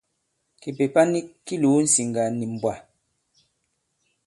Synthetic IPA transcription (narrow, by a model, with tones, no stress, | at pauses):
ki˨pe˨pa˦ni˦kːi˦lu˨˦n̩˦si˨ŋɡa˨ni˨m̩˨bwa˨